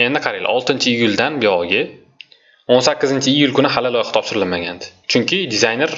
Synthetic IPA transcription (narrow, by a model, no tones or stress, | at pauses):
e̞nd̪ɪqʰɑɾil̰ɒ̰lˠt̪ɪnt͡ʃʰɪijʊlʲd̪anbeɒɡʲɪ | onsakʲːɪzɪnt͡ʃʰɪijʊlkʊnɪɦalɪlɒjɪχɑ̥t̪ʰɒpʃɪɾɪlmaɡʲand̪ɪ̥t͡ʃʰʊŋkʲɪd̪ɪzajne̞ɾ